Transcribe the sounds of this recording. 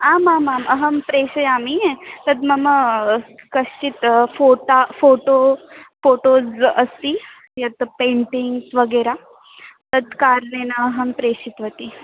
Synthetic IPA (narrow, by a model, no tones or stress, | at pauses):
aːmaːmaːmɐɦɐmpɾeːʃɐjaːmiet̪ɐd̪mɐmɐ | kɐʃt͡ʃit̪foːʈafoːʈofoːʈoːd͡zɐst̪i | jɐt̪peːɳʈiŋɡsʋɐɡeːɾa | t̪ɐd̪kaːɾneːnɐːɦɐmpɾeːʃit̪ʋɐt̪i